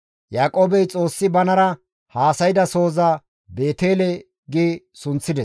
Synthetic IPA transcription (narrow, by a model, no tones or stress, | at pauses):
jaːkʼoːbɛjt͡sʼo̞ːsːɪbɐnɐɾɐ | haːsɐjd̪ɐso̞ːza | be̞ːt̪eːlɛ | ɡi | sʊnt͡sːɪd̪ɛs